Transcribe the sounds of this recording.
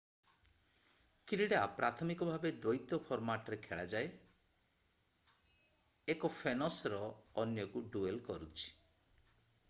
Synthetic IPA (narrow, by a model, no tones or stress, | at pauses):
kɾiɽapɾʔat̪ʰɔmikɔbʱabed̪ɔjt̪ɔpʰɔɾmaʈɔɾekʰeɭad͡ʒae | ekɔpʰenɔsɾɔːnjɔkuɖuelkɔɾut͡ʃʰi̥